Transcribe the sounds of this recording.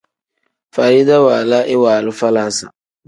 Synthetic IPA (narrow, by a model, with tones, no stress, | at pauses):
faː˨ɾɪ˦d̪a˦waː˨la˦ʔɪ˦waː˨lʊ˦fa˦la˨˦sa̰˨